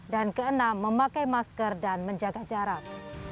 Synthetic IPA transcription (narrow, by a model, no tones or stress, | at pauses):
dankəənãmːəmãkajmaskərdanmə̃ɲd͡ʒaɡad͡ʒaɾat̪̚